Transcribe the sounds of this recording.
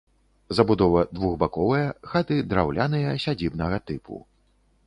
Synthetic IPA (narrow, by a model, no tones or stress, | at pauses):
zɐbud̪ɔvɐd̪vuɣbakɔvɨjɐxat̪ɨd̪ɾawlʲʔanɨjɐsʲad͡zʲibnɐɣɐt̪ɨpṵ